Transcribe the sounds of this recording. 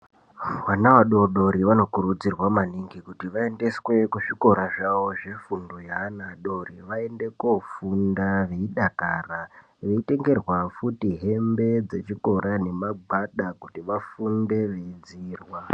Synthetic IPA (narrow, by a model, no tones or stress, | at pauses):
wanaʋaɗo̞ɗo̞ɾiʋano̞kuɾud͡zirwamaniŋɡikutiʋae̞nde̞swe̞kuʐiko̞ɾaʐaʋo̞ʐe̞fundojaːnaɗo̞riʋae̞nde̞kofundaʋe̞iɗakaːra | ʋe̞ite̞ŋɡe̞rwafutiɦe̞mbe̞d͡ze̞t͡ʃiko̞ɾʔane̞maɡʱaɗakutiʋafunde̞ʋeid͡ziːrwa